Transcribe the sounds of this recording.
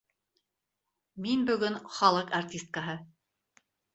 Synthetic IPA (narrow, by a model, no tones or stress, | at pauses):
minbɵ̆ɡɵnχɑlˠɤqartʲist̪̚kəɦɤ